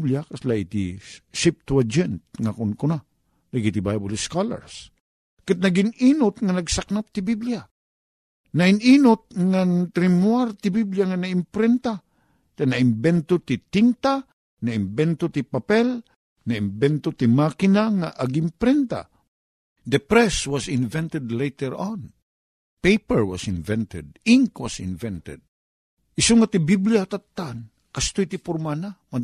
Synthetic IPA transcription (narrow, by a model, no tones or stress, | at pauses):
bljakaslaʔit̪ḭʃɪp̚t̪uwad͡ʒɛnt̪̚ŋakʊnkʊna | laɡit̪ibajbʊlskala̰ɹs | kat̪̚nɐɡɪniːnʊt̪̚ŋanɐɡsak̚nap̚t̪ɪbiblja | nɐɪniːnʊt̪̚ŋant̪ɾɪmwaɾt̪ɪbibljaŋanaɪmpɾɛnt̪a | t̪anaɪmbɛnt̪ot̪ɪt̪int̪a | naimbɛnt̪ot̪ipapɛl | naɪmbɛnt̪ot̪imakɪnaŋaʔɐɡimpɾɛnt̪a̰ | d̪əpɾɛswɔsɪnvɛ̃nt̪ɛd̪lejt̪ɛɹɔ̃n | pejpɛɹwɔ̰sɪ̃nvɛ̃nt̪ɛd̪̚ĩŋkwasɪ̰nvɛ̃nt̪ɛ̰d̪̚ | ʔɪsoŋat̪ibibljat̪at̪ːan | kast̪ojt̪ipʊɾmanama